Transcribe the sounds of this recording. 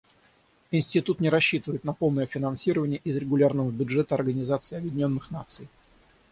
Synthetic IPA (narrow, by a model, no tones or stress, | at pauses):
ɪnʲsʲtʲɪt̪ut̪nʲɪɾɐɕːit̪ɨvəjɪt̪nɐpo̞lˠnəjəfʲɪnɐnsʲiɾəvənʲɪjəʔɪzɾʲɪɡʊlʲarnəvəbʲʊdʐɛt̪əɐrɡənʲɪzat̪sɨɪɐbjɪdʲɪnʲo̞nːɨxnat̪sɨj